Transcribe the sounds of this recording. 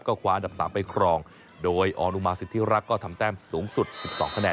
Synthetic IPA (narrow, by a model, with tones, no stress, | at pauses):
p̚kɔː˥˩kʰwaː˧ʔnda˨˩p̚saː˩˦mpa˧jkʰɾɔː˧ŋ | doː˧jʔɔ̰ː˧nʔu˧maː˧si˨˩t̪ʰːiː˦˥˩ɾa˦˥kːɔː˥˩t̪ʰa˧mt̪ɛː˥˩msuː˩˦ŋsu˨˩t̪̚si˨˩p̚sɔ̰ː˩˦ŋkʰa˧nɛː˧